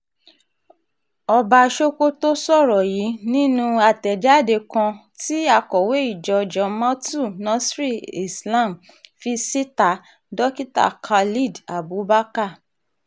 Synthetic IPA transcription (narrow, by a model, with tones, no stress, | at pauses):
ɔ˧ba˧ʃo˦ko˦to˦sɔ˦˨ɾɔ˨ji˨˦nĩ˦nũ˧a˧˨tɛ˨d͡ʒa˨˦˨de˧kã˧ | ti˦a˧kɔ˨we˨˦i˦˨d͡ʒɔ˧˨d͡ʒɔ˧mã˦tu˦˨nã˨˦sɾi˦˨i˨sla˦˨m | fi˧si˦ta˨ | dɔ˦ki˦ta̰˦˨kʰa˧li˦˨da˨bu˨˦ba˦ka˦˨